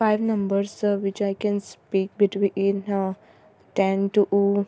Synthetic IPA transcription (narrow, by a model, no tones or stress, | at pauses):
faɪʋnɐ̃mbəɾsʋɪt͡ʃaɪkɛ̃nspiːk̚bɪʈwiĩn | ʈɛ̃nʈuʔu